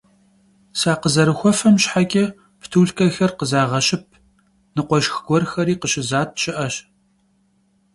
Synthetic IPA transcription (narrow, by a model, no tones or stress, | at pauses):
saːqəzɐɾɨxʷɔfɐmɕħakʲʼɐ | ptʰuːɮkʰɐxɐrqəzaːʁɐʃɪp̚ʰ | nɨqʷɔʃxɡʷɔrxɐɾiːqəɕɪzaːt̚ʰɕɪʔɐɕ